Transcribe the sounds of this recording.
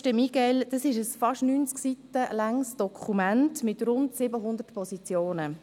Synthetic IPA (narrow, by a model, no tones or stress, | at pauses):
ʃtəmiɡ̥ɛld̥ɑsɪʃəsfɑʃnyːnt͡sksitːəlaŋsd̥ɔkʰumæntmɪtɾʊntsɪbəɦʊnd̪ərtpɔsit͡sjoːnə